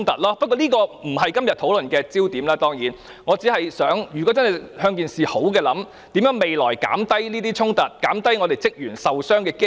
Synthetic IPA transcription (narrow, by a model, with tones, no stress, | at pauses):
ŋt̪ɐ˨t̚lɔː˥pɐ˥t̚kːɔː˧liː˥kɔː˧m̩˨˩hɐ˨jkɐ˥mjɐ˨t̚t̪ʰːo˨˥wlɵ˨nkɛː˧t͡siː˥wt̪iː˨˥mlɛː˥t̪ɔː˥ŋjiː˨˥n | ŋɔː˨˧t͡siː˨˥hɐ˨jsœː˨˥ŋjy˨kɔː˨˥t͡sɐ˥nɦɐ˨jhœː˧ŋk̬iː˨nsiː˨ho˨˥wk̬ɛː˧lɐ˨˥m | t̪iː˨˥mjœː˨˥ŋme˨jlɔː˨˩jka̰ː˨˥mt̪ɐ˥jniː˥t̪iː˥t͡sʰʊ˥ŋt̪ɐ˨˩t̚kaː˨˥mt̪ɐ˥jŋɔː˨˧t̪e˨jt͡sɪ˥k̚jyː˨˩nsɐ˨wsœː˥ŋkɛː˧k